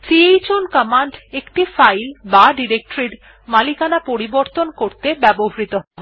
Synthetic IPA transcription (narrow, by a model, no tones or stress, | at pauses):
siejt͡ɕonkəmaɳɖekʈifajlbaɖiɾek̚ʈɾiɖ | malikanapoɾiboɾt̪onkoɾt̪ebɛboɦaɾit̪oɦbo